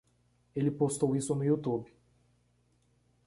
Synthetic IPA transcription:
elɪpost̪owisʊnʊiut̪ubɪ

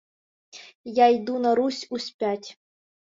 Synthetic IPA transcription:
jajd̪unaɾusʲusʲpʲætʲ

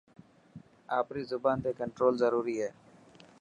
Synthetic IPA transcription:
aːpɾiːzʊbaːnt̪eːkəɳʈɾoːlzəɾuːɾiːɦɛː

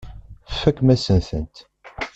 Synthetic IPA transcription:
fːækːmæsənθənt̪

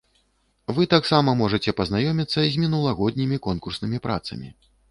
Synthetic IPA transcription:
vɨt̪aksamɐmɔʐɐt͡sʲɛpɐznajɔmʲit̪sːɐzʲmʲinulˠɐɣɔd̪ʲnʲimʲikɔnkursnɨmʲipɾa̰t̪sɐ̰mʲḭ

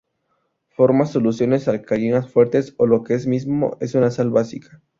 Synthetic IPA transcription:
fo̞ɾmaso̞lusjo̞ne̞salkaɾinasfwe̞ɾt̪e̞solo̞keezmizmo̞̰e̞sunasalβasikḁ

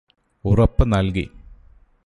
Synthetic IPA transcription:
urɐpːɨnɐlkḭ

